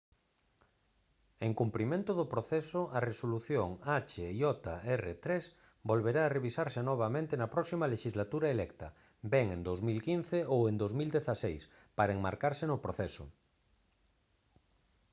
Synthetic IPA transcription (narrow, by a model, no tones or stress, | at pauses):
eŋkumpɾimẽnt̪ʊðʊpɾoθɛsʊaresoluθjoŋat͡ʃeiɔt̪aɛret̪ɾes | bolβeɾaːreβisaɾsenɔβ̞amẽnt̪enɐpɾɔksimaleʃizlat̪uɾaelɛkt̪ɐ | bɛŋẽnd̪owzmilkin̟θeowend̪owzmild̪eθasejs | paɾɐeŋmaɾkaɾsenʊpɾoθɛsʊ̰